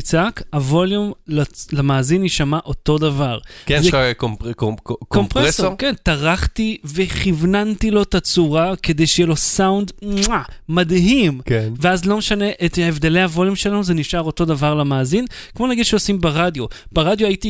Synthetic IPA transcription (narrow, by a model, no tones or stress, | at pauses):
it͡sakavo̞ljumlalamaːziniʃamaʔo̞to̞davaʁkeek | kompʁeesokentaʁaχt̪ive̞χivnantilo̞t̪at͡suʁake̞d̪e̞jʃejelo̞sawnd̪amadɦimkveazlo̞meʃane̞ʔetevd̪e̞lejhavo̞ljumʃelanuzeniʃaʁo̞to̞d̪avaʁlamaːzinkmo̞naɡid̥̪ʃeosimbeʁadjo̞b̥eʁadjoajiti